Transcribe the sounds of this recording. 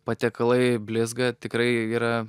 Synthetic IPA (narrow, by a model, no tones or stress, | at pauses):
pɐt̪ʲɛkɐlˠɐɪbʲlʲɪzɡɐt̪ʲɪkɾɐɪiːɾɐ